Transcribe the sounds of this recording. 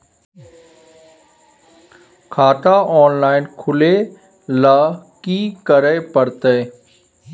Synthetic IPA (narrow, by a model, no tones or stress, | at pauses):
kʰaːʈaːʔɔːnlaːɪnkʰʊleː | laːkiːkəɾeːpəɾt̪eː